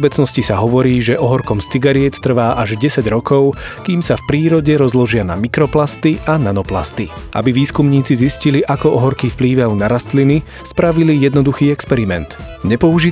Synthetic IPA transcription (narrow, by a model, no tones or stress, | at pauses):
bɛt͡snɔscisaɦɔʋɔɾiːʒɛʔɔɦɔɾkɔmst͡siɡaɾɪɛt̪t̪ːr̩ʋaːʔaʒɟɛsaɟɾɔkɔʊkiːmsafpɾiːɾɔɟɛɾɔzlɔʒɪana̰mikɾɔplast̪iʔananɔpla̰st̪i | ʔa̰biʋiːskumɲiːt͡sizisciliʔakɔɔɦɔɾkifpliːʋanaɾast̪lini | spɾaʋilijɛd̪nɔd̪uxiːɛkspɛɾimɛnt̪ɲɛpɔuʒi